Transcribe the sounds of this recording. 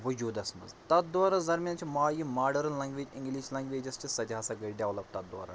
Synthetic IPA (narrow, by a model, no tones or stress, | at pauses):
ʋɐd͡ʒuːd̪ɐsmɐ̰zt̪ɐt̪̚d̪waːɾɐzɐɾmʲjant͡ʃʰimaːjimaːɾɖɐɾɐlːɐ̃ŋɡʋeːd͡ʒɪ̃ŋɡliːʃlɐ̃ŋɡʋeːd͡ʒɐst͡ʃisɐd͡ʒaːsɐɡɐɖʲjaːʋlɐb̚t̪ɐt̪̚d̪wa̰ːɾa̰